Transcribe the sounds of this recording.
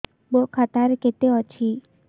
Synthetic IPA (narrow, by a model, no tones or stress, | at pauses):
bokʰat̪aɾket̪eɔt͡ʃʰi